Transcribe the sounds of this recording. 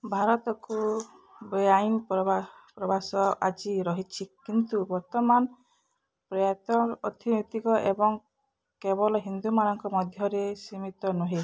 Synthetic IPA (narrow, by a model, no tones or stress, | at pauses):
bʱaɾɔt̪ɔku | bɔjajnpɔpɾɔbasɔad͡ʒiɾɔɦit͡ʃʰikint̪ubɔɾt̪ɔman | pɾɔjat̪ɔɾɔt̪ʰinit̪ikɔʔebɔŋ | kebɔlɔɦind̪umanɔŋkɔmɔd̪ʱjɔɾesimit̪ɔnuɦe